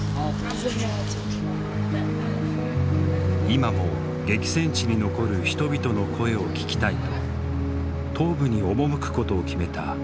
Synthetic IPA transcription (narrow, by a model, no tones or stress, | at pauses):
imamo̞ | ɡe̞kʲi̥sẽ̞ɲ̟t͡ɕiɲ̟ino̞ko̞ɾɯ̟çi̥t̪o̞bʲit̪o̞no̞kʰo̞e̞o̞kʲi̥kʲi̥t̪ait̪o̞ | t̪ʰo̞ːbɯ̟ɲ̟io̞mo̞mɯ̟kɯ̟̥ko̞t̪o̞ːkʲime̞t̪a̰